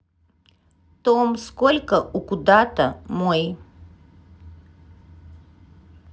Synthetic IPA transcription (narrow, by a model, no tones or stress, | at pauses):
t̪omskolʲkəʔukud̪at̪ə̰moj